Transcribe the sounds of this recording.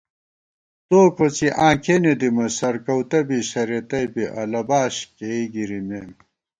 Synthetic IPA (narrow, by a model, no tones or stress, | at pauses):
t̪oːkot͡siʔãːkʰened̪imɐsɐɾkɐwt̪ɐbiɕɐɾet̪ɐjbiʔɐ̰lɐbaːɕkeiɡiɾimeːm